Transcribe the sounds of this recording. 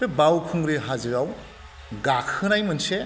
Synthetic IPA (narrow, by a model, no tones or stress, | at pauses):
ebawkʰuŋɾeɦazɯɾaw | ɡakʰɯnajmɯnse